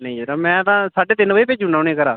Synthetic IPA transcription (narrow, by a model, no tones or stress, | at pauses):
nə̃ĩːd͡ʒeɾaːmɛ̃ːt̪ãːsaːɖeːt̪ɪnːʋəiːpeːd͡ʒunãːʊnẽːkəɾaː